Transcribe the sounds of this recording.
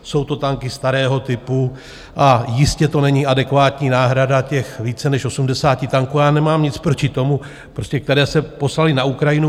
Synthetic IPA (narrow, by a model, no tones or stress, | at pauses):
so̞wt̪o̞t̪aŋkɪst̪aɾɛːɦo̞t̪ɪpu | ʔajɪscɛt̪o̞nɛɲiːadɛkvaːt̪ɲiːnaːɦɾadacɛxviːt͡sɛnɛʃo̞sumdɛsaːcɪt̪aŋkuːajaːnɛmaːmɲɪt͡spɾo̞cɪt̪o̞mu | pɾo̞scɛk̚t̪ɛɾɛːsɛpo̞slalɪnaukɾajɪnu